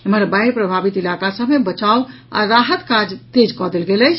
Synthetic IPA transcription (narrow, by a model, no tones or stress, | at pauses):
eməɾbaiɾpɾəbʱabit̪ilakasəbmebət͡ʃaw | a̰ɾaɦət̪kad͡ʒt̪ed͡ʒkɔd̪elɡeləjt͡ʃʰ